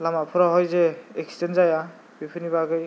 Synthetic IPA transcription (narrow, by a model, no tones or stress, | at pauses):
lamapʰɯɾaɦɔjzeekstenzaja | bipʰɯnibaɡɯj